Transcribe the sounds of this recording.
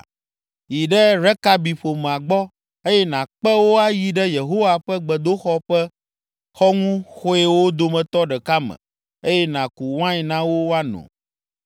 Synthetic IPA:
ji˨ɖɛ˦ɾɛ˦ka˦bi˨ɸo˨mɛ˨a˨ɡ͡bɔ˦ | e˦jɛ˦nã˨k͡pɛ˦wo˦a˦ji˨ɖɛ˦je˨ɦo˦wa˨ɸɛ˦ɡ͡bɛ˨d̪o˦xɔ˦ɸɛ˦ | xɔ˦ŋũ˦xo˦e˦wo˦d̪o˦mɛ̃˨t̪ɔ˦ɖɛ˨ka˦mɛ̰̃˨ | e˦jɛ˦nã˨ku˨wã˦i˨nã˦wo˦wa˦nɔ̰̃˨

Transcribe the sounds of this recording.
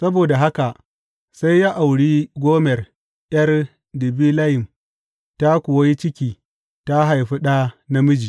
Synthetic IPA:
sɐ˦boː˨da˨ɦa˦ka˨ʔ | sa˦jːaː˦ʔa˨wɽiː˦ɡʷoː˦mɛ˨r | ʔj̰ɐ˦r | dɪ˨biː˦la˦jɪ˨m | ta˦kʷʊ˨wɐ˦ji˦t͡ʃɪ˦kʲiː˨ | ta˦ɦa˨jɸi˦ɗa˦na˦mʊ˦d͡ʒiː˨

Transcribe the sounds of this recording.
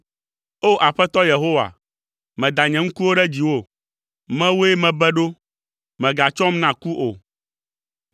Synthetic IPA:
o˦ʔa˨ɸɛ˦t̪ɔ˦je˨ɦo˦wa̰˨ | mɛ̃˨d̪a˨ɲɛ̃˨ŋ̩̃˦ku˦wo˦ɖɛ˦d͡ʑi˨wo˦ | mɛ̃˦wo˦e˦mɛ̃˨bɛ˦ɖo˦ | mɛ̃˨ɡa˨t͡ʃɔ˦mnã˨ku˦ʔo˨

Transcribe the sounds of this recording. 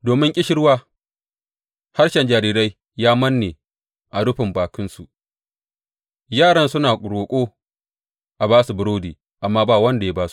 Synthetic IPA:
doː˨mɪ˦ŋkʲʼɪ˦ʃɪ˦ɽwaː˦ | ha˦rʃɛ˨nd͡ʒaː˨ɾiː˦ɾa˦j | jaː˦mɐ˦nːeː˨ | ʔa˨ɽʊ˦ɸɪ˨mbaː˨kɪ˦nsu˨ʔ | jaː˦˨ɽɐ˦nsʊ˦naː˨kʼʊ˨ɽoː˨kʷʼoː˦ | ʔa˨baː˦su˨bʊ˦ɾoː˦diː˨ | ʔa˨mːaː˦baː˦˨wɐ˦nda˨ja˦baː˦su̥˨

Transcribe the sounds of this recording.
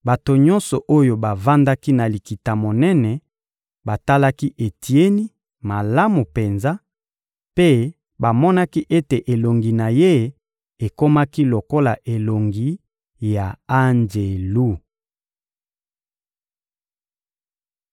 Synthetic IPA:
ba˨to˨ɲɔ̃˦nsɔ˨ʔo˦jo˨ba˨va˦nda˦ki˦na˨li˨ki˨ta˨mo˨nɛ˦nɛ˨ | ba˨ta˦la˦ki˦ʔe˨tʰi˨e˦ni˦ | ma˨la˦mu˨pe˨nza˦ | pe˦ | ba˨mɔ˦na˦ki˦ʔe˦te˨ʔe˨lo˨ŋɡi˨na˨je˦ | e˨ko˦ma˦ki˦lo˨ko˦la˨ʔe˨lo˨ŋɡi˨ | ja˨a˦nd͡ʒe˨lu˦˨

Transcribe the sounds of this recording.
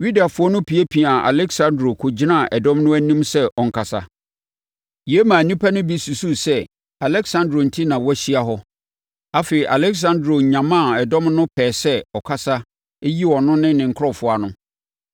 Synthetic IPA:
ɥi˦da˨fʊ˦ɔ˦nʊ̃˦pʰi˨e˦pʰi˨a˨ʔa̰˨lɛ˦ksã˦ndɾo˨kʰʊ˨d͡ʑi˦nã˦˨ʔɛ˨dɔ̃˦mnʊ̃˦æ˦nĩ˦msɛ˦ʔɔ˨ŋ̩˨kʰa˨sa̰˨ | ji˨e˦mã˨nĩ˦pʰa˦nʊ̃˦bi˦su˨su˦sɛ˦ | a˨lɛ˦ksã˦ndɾo˨n̩˨tʰi˦nã˨wɔ˦ɕi˦a˨ɦɔ˦ | a˨fe˨i˨ʔa˨lɛ˦ks̬ã˦ndɾo˨ɲã˨mã˦˨ɛ˨dɔ̃˦mnʊ̃˦pʰɛː˨sɛ˦ɔ˨kʰa˦sa˦ | e˦ji˦ɔ˨nʊ̃˦nɪ̃˦nɪ̃˨ŋ̩˨kʰɔ˦˨fʊ˨a˨nʊ̃˦

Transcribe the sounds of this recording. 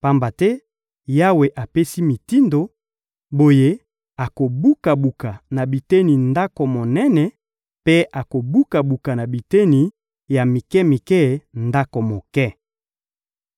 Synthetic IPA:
pa˦mba˨tɛ˦ | ja˦we˨ʔa˨pe˦si˦mi˨ti˦ndo˨ | bo˨je˦ | a˨ko˨bu˦ka˨bu˨ka˨na˨bi˨te˦ni˨nda˦ko˨mo˨nɛ˦nɛ˨ | pe˦ʔa˨ko˨bu˦ka˨bu˨ka˨na˨bi˨te˦ni˨ | ja˨mi˨kɛ˦mi˨kɛ˦˨nda˦ko˨mo˨kɛ˦˨

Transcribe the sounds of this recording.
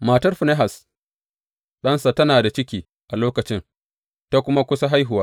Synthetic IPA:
maː˨tɐ˦rɸʊ˨ne˦ɦa˨s | ɗɐ˦nsa˨tɐ˦naː˨da˨t͡ʃɪ˦kʲiː˨ | ʔa˨loː˦kɐ˨t͡ʃɪ˦ŋ | ta˦kʷʊ˦ma˦kʷʊ˦sa˦ɦa˦jɦʊ˨waː˦

